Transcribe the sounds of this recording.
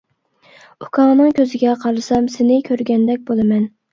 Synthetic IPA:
ukʰɑːnɨŋkʲøzɪɡʲɛqʰɑɾlɨsɑmsɪnɪkʲʰøɾɡʲɛnd̪ɛk̚ʲbolˠɨmɛn

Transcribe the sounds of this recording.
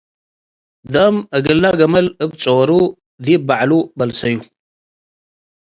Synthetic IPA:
d̪ɐmɨɡɨlːaɡɐmɐlɨbt͡sʼowɾu | d̪ibaʕlubɐlsɐju

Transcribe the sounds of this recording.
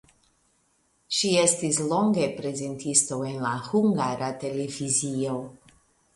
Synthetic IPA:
ʃie̞stislo̞ŋɡe̞pɾe̞ze̞ntisto̞e̞nlahuŋɡaɾate̞le̞vizio̞

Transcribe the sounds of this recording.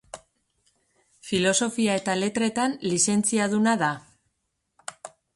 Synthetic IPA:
filo̞so̞fiae̞t̪ale̞t̪ɾe̞t̪anlise̞nt͡siaðunaða

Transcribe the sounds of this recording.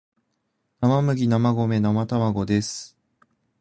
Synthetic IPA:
namamɯ̟ɡʲinamaɡo̞me̞namat̪amaɡo̞d̪e̞sɨ̥

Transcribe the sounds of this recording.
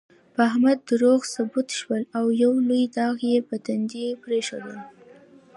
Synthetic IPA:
pəaɦmad̪ːəɾoɣsʊbut̪ʃwəlawjawlujd̪ɑɣjepət̪and͡ʒipɾeʃa̰d̪əl

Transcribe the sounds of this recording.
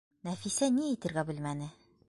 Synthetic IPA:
næfisæniit̪ɘ̆ɾɡæbɘ̆lmænɘ

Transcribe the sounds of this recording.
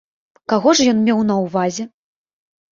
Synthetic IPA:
kaɣɔʐjɔnmʲɛwnɐwvazʲɛ

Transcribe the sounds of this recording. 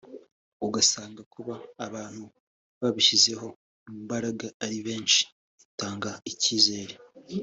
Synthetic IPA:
uɡasaːŋɡakuβaːβaːn̥hu | βaβiʃize̞ɦo̞ | umbaɾaɡaːɾiβe̞ːnʃi̥ | itaːŋɡaiciːze̞ːɾe

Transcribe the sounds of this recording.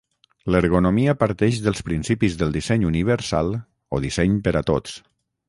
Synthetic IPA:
ləɾɣunomiəpəɾt̪ɛʃðəlˠspɾinsipizðəlˠd̪isɛɲuniβ̞əɾsa̰lˠ | o̰ðisɛɲpəɾət̪o̰tt͡ss

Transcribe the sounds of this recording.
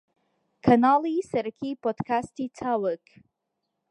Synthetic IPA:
kʰɐnaːlisɐɾəkʰipod̪kʰastit͡sʰawək

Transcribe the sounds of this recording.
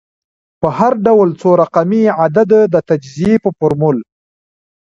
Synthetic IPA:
pəhaɾɖawlt͡soɾaqamiʕad̪ad̪əd̪ət̪ad͡ʒzijepəfʊɾmʊl

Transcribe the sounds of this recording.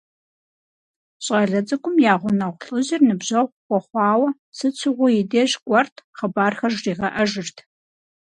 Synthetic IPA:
ɕʼɐɮɐt͡sʼɐkʷʰʼʊmjaːʁʷʊnɐʁʷɬʼɨʑɪrnɨbʑɐʁʷkʷɔχʷɑːwɐ | sɨt͡sʰɨʁʷʊjɪdeːʒɡʷʼɔrtʰχəbaːrxɐʒriːʁɐʔɐʒɪrtʰ

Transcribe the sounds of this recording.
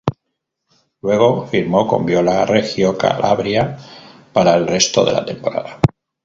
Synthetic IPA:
lwe̞ɣ̞o̞fiɾmo̞ko̞̰mbjo̞larexjoka̰lʔa̰βɾja | paɾaelre̞st̪o̞ðe̞̰la̰t̪e̞mpo̞ɾa̰ða

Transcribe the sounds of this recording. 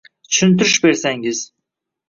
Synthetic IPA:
t͡ʃʰy̥ʃynt̪yɾyʃbeɾsæŋɪz̥

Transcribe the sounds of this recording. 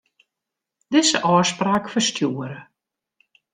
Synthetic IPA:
d̥ɪzəʔɔːspraːkfərstʰjuəɾə

